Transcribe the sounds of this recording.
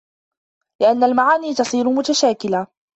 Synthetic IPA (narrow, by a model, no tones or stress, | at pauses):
lɪʔanːalmaʕaːniːt̪ɑsˤiːɾʊmʊt̪aʃaːkɪlaː